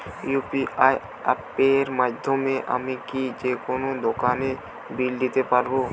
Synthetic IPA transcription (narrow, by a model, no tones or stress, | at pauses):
jupiaj | a̰pːeɾmad̪ʱjomẽʔa̰mikid͡ʒekonod̪okaːne | bild̪it̪epaɾbo